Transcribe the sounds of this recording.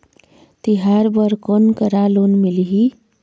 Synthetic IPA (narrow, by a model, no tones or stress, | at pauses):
t̪iɦaɾbəɾkonkəɾalonmiliɦi